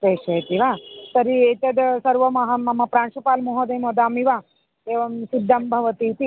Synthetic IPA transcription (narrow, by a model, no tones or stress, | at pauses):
teːʃɐt̪iʋaːsɐɾieːt̪ɐd̪sɐɾʋɐmɐɦɐmɐmɐpɾaːnʃɐpaːlmoɦɐd̪ɐjmod̪aːmiʋaː | eːʋɐmsid̪ʱːɐmbʱɐʋɐt̪iːt̪i